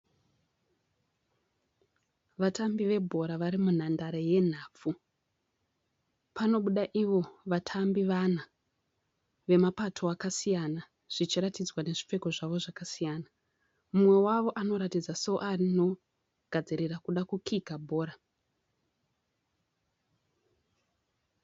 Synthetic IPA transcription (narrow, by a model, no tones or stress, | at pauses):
ʋatambiʋe̞bʱo̞ɾaʋaɾimun̤andaɾeje̞n̤aːp͡fu | pano̞ɓuɗaʔiʋo̞ʋatʰambiʋan̤a | ʋe̞mapatʰo̞akasijana | ʐ̥it͡ʃiɾatid͡zwane̞ʐip͡fe̞ko̞ʐaʋo̞ʐakasijaːna | mumwe̞waʋo̞ʔano̞ɾatid͡zasoʔarino̞ | ɡ̥ʱad͡ziɾirakuɗakukʰikabʱo̞ːɾa